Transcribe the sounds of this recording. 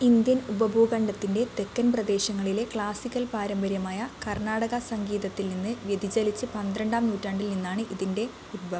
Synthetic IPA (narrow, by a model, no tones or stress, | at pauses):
ind̪jɐnubɐbʱoːɡɐɳɖɐt̪ːinde̞t̪e̞kːɐnprɐd̪e̞ːɕɐŋːɐɭile̞kɭaːsikʲːɐlpaːɾɐmbɐɾjɐmaːjɐkɐrnaːɽɐɣɐsɐŋɡiːðɐt̪ːilninːɨʋjed̪ʱid͡ʑɐlit͡ɕːɨpɐnd̪ɾɐɳɖaːmnuːtːaːɳɖilninːaːɳɨʔiðinde̞ | utbɐ